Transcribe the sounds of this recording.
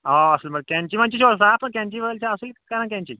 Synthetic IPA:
ɔəsəlməɡ̚kjãɲt͡ɕiːm̤aɲt͡ɕiːɕoɽsapə̃ɳk̪jãɲt͡ɕiːʋəɡəlt͡ɕaəslkaɾə̃ɳkjãɲt͡ɕḭː

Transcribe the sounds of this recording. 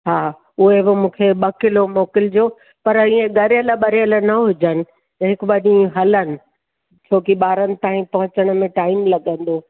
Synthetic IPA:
ɦaː | ʊɦebomũːkʰeɓɐkɪlomoːkɪld͡ʑoː | pɐɾĩːẽɡɐɾjələɓɐɾɪjələnɐɦʊd͡ʑənɪ̆ | t̪ɐɦɪkɓɐɗĩɦɐlənɪ̆ | t͡ɕʰoːkiɓaːɾənɪ̆t̪aːɦĩpɐɦʊ̃t͡ɕəɽ̃ʊ̆mẽʈaːɪmlɐɠə̃n̆d̪oː

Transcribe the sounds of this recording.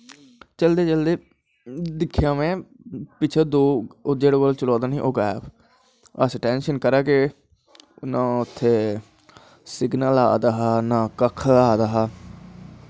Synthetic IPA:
t͡ʃəld̪eːt͡ʃəld̪eː | d̪ɪkʰːjãːmɛ̃ː | pɪt͡ʃʰeːd̪oːd͡ʒeːɽoːbəlt͡ʃəlɔːd̪aːnĩːʔoːɡɛːb | ə̰sʈɛːnʃənkəɾaːkeː | nãːʊt̪ʰːeː | sɪɡnəlaːd̪aːɦaːnãːkəkʰaːd̪aːɦaː

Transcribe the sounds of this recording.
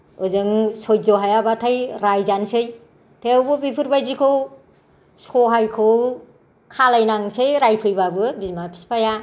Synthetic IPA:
ɯzɯŋsɔjzɔɦajabatʰajɾajzansɯj | tʰewbɯbipʰɯɾbajzikʰɯw | sɔɦajkʰɯw | kʰalajnaŋsejɾajpʰɯjbabɯbimapʰi̥spʰaja

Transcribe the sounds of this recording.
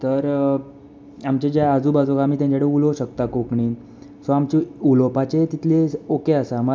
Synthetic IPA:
t̪əɾ | amt͡ɕed͡ʑaad͡zuːbad͡zokaːm̤iːt̪jãɲt͡ɕaɽeuloɕəkt̪akokɳiːn | sɔamt͡ɕiulopat͡ɕet̪it̪ʰleokeasamə

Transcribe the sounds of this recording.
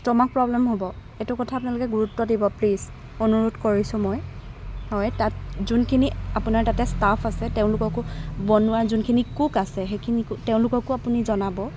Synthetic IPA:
tɔmak̚pɹɔblɛmɦobɔ | etukɔtʰaːp̬unalʊkɛɡuɹutːɔdibɔpliz | onuɹutkoɹisʊ̃mɔjhɔjtatzunkʰiniapʊnaɹtatɛstapʰasɛteʊ̃lʊkɔkʊbɔnʊwazunkʰinikukasɛxekʰinikʊteʊ̃lʊkɔkʊapunizɔnabɔ

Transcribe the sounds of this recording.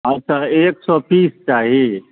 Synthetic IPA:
ɐtːt͡ʃʰaːeːksɔːpiːst͡ʃaːɦii

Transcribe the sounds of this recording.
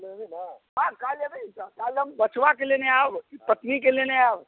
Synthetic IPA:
lbinəɦãkaləbiskaləmbət͡ʃʰʋakeleneabkipət̪nikeleneab

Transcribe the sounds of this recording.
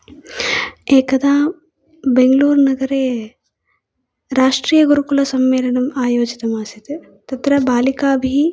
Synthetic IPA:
eːkɐd̪aː | beŋɡluːɾnɐɡɐɾeː | ɾaːʂʈɾiːjɐɡuɾukulɐsɐmːeːlɐnɐmaːjoːd͡ʒit̪ɐmaːsit̪e | t̪ɐt̪ɾɐbaːlikaːbʱi

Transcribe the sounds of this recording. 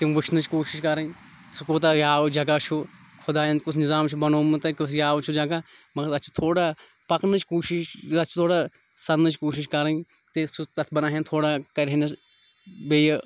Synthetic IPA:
t̪ĩʋɪt͡ʃʰnɐt͡ʃʰkoːʃɪʃkɐɾɐ | sʊkot̪̬ɐjaːd͡ʒɐɡat͡ʃʰu | kʰʊd̪aːjɐ̃nkʊsʰnɪzaːmt͡ʃʰubɐnoːmɨt̪ɐkʊsʰjaːʋt͡ʃʰud͡ʒɐɡaːmɐɡəɾɐt͡ʃʰi̥t̪ʰoːɽaː | pɐknɐt͡ʃʰkoːʃɪʃɐt͡ʃʰt̪ʰoːɽaː | sɐnnɐt͡ʃʰkoːʃɪʃkɐɾə | t̪esut̪ɐt̪ʰbɐnaːɦent̪ʰoːɽaːkɐɾʲɦenɐs | beːj

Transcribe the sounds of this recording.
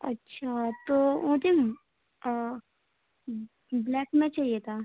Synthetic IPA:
ɐ̰tːʃʰat̪oõːd̪e | blɛːkmẽt͡ʃaɦijet̪ʰaː

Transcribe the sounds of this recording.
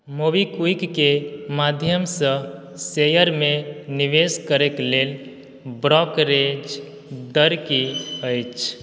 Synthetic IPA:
mobikuikːemad̪ʱjəmsə̃ | sejəɾmeniʋeskəɾeklel | bɾɔkɾed͡ʒ | d̪əɾkiəjt͡ʃʰ

